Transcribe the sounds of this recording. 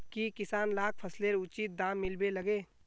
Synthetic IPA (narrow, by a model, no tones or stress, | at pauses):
kikɪsaːnlaːk̚pʰəsleɾʊt͡ʃiːt̪̚d̪ãːmːɪlbelɐɡeː